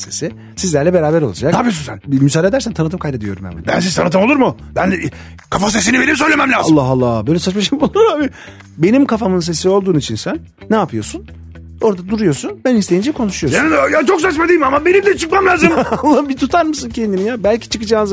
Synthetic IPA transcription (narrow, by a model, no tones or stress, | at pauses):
sesi | sizlʲæɾlʲɛbe̞ɾaːbæɾo̞lˠad͡ʒak̪aːpijosunsænmysaːd̪ed̪æɾsænt̪ʰanɯt̪ɯmkʰajd̪ed̪ijo̞ɾumja̰mba̰bæ̰ns̬iz̥t̪ʰanɯt̪ɯmolˠuɾmu | bæn | kʰafas̬es̬inibenims̬øjlʲemæmlʲaːalˠːaɦalˠːabøjlʲɛsat͡ʃmaʃimbulˠuuɾabi | be̞nimkʰafamɯns̬e̞sio̞lˠd̪uːnit͡ʃʰinsænː | aːpɯjo̞sun | o̞ɾd̪ad̪uɾujo̞sunbænist̪ʰʲejiːnd͡ʒɛkʰo̞nuʃujojajat͡ʃʰoks̬at͡ʃmad̪ijimamabenimd̪ʲɛt͡ʃʰɯk̚mamlʲaːzɯmalˠːabit̪ʰut̪ʰaɾmɯsuncʰend̪imijabælʲcʰi̥t͡ʃʰɯkɯd͡ʒaːnz